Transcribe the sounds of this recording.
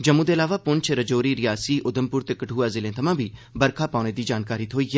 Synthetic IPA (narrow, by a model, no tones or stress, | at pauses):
d͡ʒɐmːũd̪eɐlaːʋapʊnt͡ʃʰɾɐd͡ʒoːɾiːɾɪjaːsiːʔʊd̪əmpʊɾt̪ekɐʈʰuːaːzɪlẽt̪ʰɐmãːbʱiːbɐɾkʰapaːʊɽ̃ed̪iːd͡ʒaːnkaːɾiːt̪ʰoːijɛː